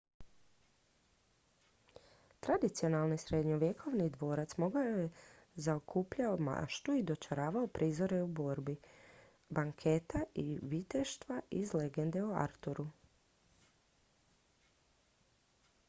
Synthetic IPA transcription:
t̪ɾad̪it̪sio̞nalˠnisɾe̞d̪ɲo̞ʋjekʰo̞ʋnid̪ʋo̞ːɾat̪smo̞ɡaoje | zaokʰupʎaoma̰ʃt̪uid̪o̞t͡ʃaɾaːʋaopɾʔizo̞ɾeubo̞ːɾbi | baŋkʰe̞t̪aʔiʋit̪eʃt̪ʋaʔizle̞ɡe̞nd̪e̞ua̰ɾt̪uɾu

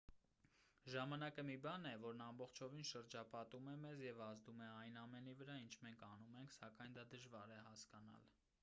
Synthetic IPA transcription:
ʒɑmɑnɑkəmibɑnɛvɔɾnɑmbɔχt͡ʃʰɔvinʃəɾd͡ʒɑpɑt̪umɛmɛzjɛvɑzd̪umɛɑjnɑmɛnivəɾɑint͡ʃʰmɛŋkʰɑnumɛŋkʰsɑkɑjnd̪ɑd̪əʒvɑɾɛhɑskɑnɑ̰l

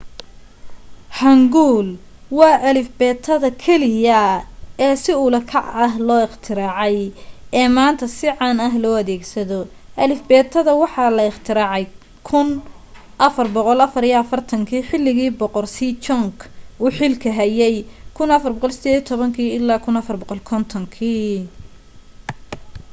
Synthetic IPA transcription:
hɐŋɡuːl | wɑːʔɐlɪfbɛːt̪ʰːɐðɐkʰɛlɪjɐɛːsɪʊlɐkʰɑʕɐɦlɔːɪχt̪ʰɪɾaːʕɛjɛːmaːnt̪ʰɐsɪʕɑnɐɦlɔːɐðɛːɡsɐðɔ | ʔɐlɪfbɛːt̪ʰɐðɐwɑħɑlɐɪχt̪ʰɪɾaːʕɛj | kʰʊn | ʔɐfɐrbɔqɔlɐfɐɾijɐɐfɐrt̪ʰɐŋkʰiːħɪlːɪɣiːbɔqɔrsiːt͡ʃɔŋkʰuːħɪlkʰɐɦɐjɛjkʰʊnɐfɐrbɔqɔlsɪd̪eːðijɐt̪ʰɔβɐŋkʰiːɪlːaːkʰʊnɐfɐrbɔqɔlkʰɔnt̪ʰɔŋkʰiː

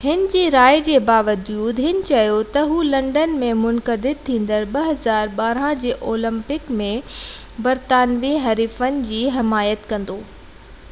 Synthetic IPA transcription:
hɪnɪ̆d͡ʑiːɾaːjd͡ʑeːbaːʋəd͡ʑjuːd̪ɦɪnɪ̆t͡ɕɐjot̪ɐɦuːlɐ̃ɳɖənmẽmʊnkəd̪ɪd̪̚t̪ʰːĩːnd̪əɾɓɐɦɐzaːɾɓaːɾãd͡ʑeːʔoːlə̃mpɪkmẽ | bɐɾt̪aːnʋiɦɐɾiːfənɪ̆d͡ʑiːɦɪmaːjət̪kɐ̃nd̪oː

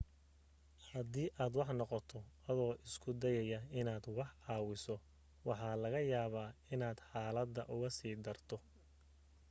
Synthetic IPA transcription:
hɐd̪iːʔaːd̪wɑħnɔqɔt̪ʰɔɐðɔːʔɪskʰʊd̪ɛjɛjɐɪnaːd̪wɑħʕɑːwɪsɔ | wɑħɑːlɐɣɐjaːβaːɪnaːd̪̥ħɑːlɐd̪ːɐʔʊɣɐsiːd̪ɐrt̪ʰɔ

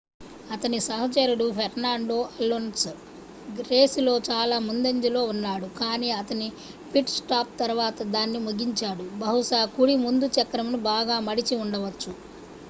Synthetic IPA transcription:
ɐt̪ɐnisɐɦɐt͡ʃɐɾuɽupʰeɾnaːɳɖo̞ːʔɐlːons | ɡɾeːsulo̞ːt͡ʃaːlaːmund̪ɐɲd͡ʒilo̞ːunːaːɽukaːniːɐt̪ɐni | pʰiʈsʈaːp̚t̪ɐɾuʋaːt̪ɐd̪aːnːimuɡiɲt͡ʃaːɽubɐɦuʂaːkuɽimund̪ut͡ʃɐkːɾɐmunubaːɡaːmɐɽit͡ʃiuɳɖɐʋɐt͡ʃːu

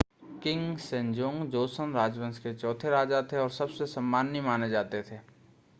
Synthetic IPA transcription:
kɪ̃ŋɡsẽɲd͡ʒõːŋɡd͡ʒoːsənɾaːd͡ʒʋə̃nsket͡ʃɔːt̪ʰeɾaːd͡ʒat̪ʰeɔːɾsɐbsesɐmːaːnːimaːned͡ʒaːt̪et̪ʰeː

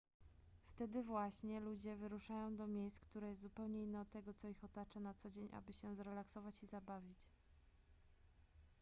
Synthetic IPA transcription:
ft̪ɛd̪ɘvwaɕɲɛlud͡ʑɛvɘɾuʂajɔ̃w̃d̪ɔmʲjejskt̪uɾajɛst̪zupɛwɲɛinːɛɔt̪̚t̪ːɛɡɔt̪sɔixɔt̪at͡ʂanat̪sɔd͡ʑeɲʔa̰bɘɕɛzɾɛlaksɔvat͡ɕizabavʲit͡ɕ

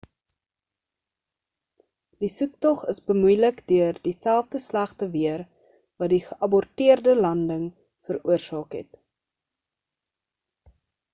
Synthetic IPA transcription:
d̥isʉk̚tɔχəsbəmujləkdøərdisælˠfdəslæχtəviər | vɐdiχəʔɐbɔrtiərdəlɐndəŋ | fəruərsɑːkɦɛ̰t

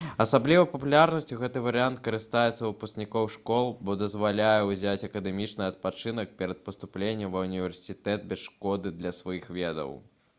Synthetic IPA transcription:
ɐsablʲivɐpɐpulʲaɾnɐsʲtʲuɣɛt̪ɨvɐɾɨant̪kɐɾɨst̪ajɛt̪sɐvɨpɐsʲknʲikɔwʂkɔlˠbɔd̪ɐzvalʲajɛwzʲat͡sʲɐkɐd̪ɛmʲit͡ʂnɨɐt̪̚pat͡ʂɨnɐk̚pʲɛɾɐt̪̚pɐst̪uplʲenʲːɐmvɐunʲivʲɛrsʲit̪ɛt̪̚bʲɛsʂkɔd̪ɨd̪lʲɐsvajixvʲɛd̪ɐ̰w

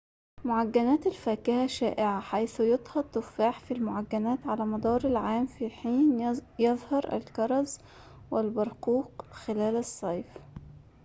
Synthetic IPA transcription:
moʕaɡːænæːt̪ælfæːkɪhæʃæːʔɪʕaħajθʊjɑt̪ˤhɑt̪ːʊfːaːħfilmoʕaɡːænæːt̪ʕalæːmɑd̪ˤɑːɾˤalʕaːmfiħiːnjɑðˤhɑɾˤʔæ̰lkɑɾˤɑz | wɪlbɑɾˤquːqxɪlæːlɑsˤːɑjf

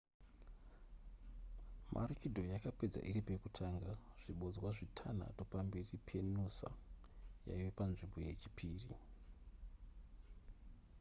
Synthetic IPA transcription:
mʔa̰rikidʱo̞jakape̞d͡za̰ʔiripe̞kutʰaŋɡaʐ̥iɓo̞d͡zwaʐitʰana̰to̞pamberipʰe̞nusa̰ja̰iʋepanʐimboje̞t͡ʃi̥pʰiːri

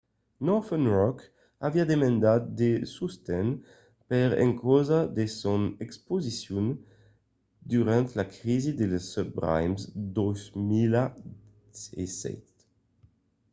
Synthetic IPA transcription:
nɔfɛnʁɔk | aviad̪emɑ̃nd̪at̪d̪esust̪ɛn | pɛʁɛ̰̃ŋkɔzad̪esɔnɛkspozisjɔn | d̪yʁɑ̃nt̪lakʁizid̪ələsɔp̚bʁa̰jmsd̪ɔzmila | ḛsɛ̰t̪

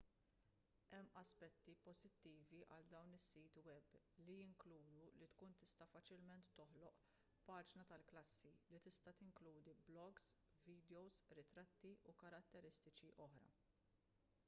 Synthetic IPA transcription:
ʔɛmːɐspɛt̪ːipɔzɪt̪ːiːviʔɐld̪ɐwnɪsːiːt̪wɛb | lijɪŋkluːd̪ulit̪kuːnt̪ɪst̪ɐfɐt͡ʃɪlmɛnt̪ːɔħlɔʔ | pɐːd͡ʒnɐt̪ɐlklɐsːilit̪ɪst̪ɐt̪ɪŋkluːd̪iblɔɡs | viːd̪jɔwzɾɪt̪ɾɐt̪ːiʔukɐɾɐt̪ːɛɾɪst̪ɪt͡ʃiʔɔħɾɐ̰

